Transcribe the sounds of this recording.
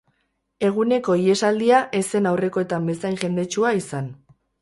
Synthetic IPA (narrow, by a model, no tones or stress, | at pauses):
e̞ɣ̞une̞ko̞ie̞sald̪iaʔe̞se̞nawre̞ko̞e̞t̪ambe̞sajŋʝe̞nd̪et͡ʃuaisan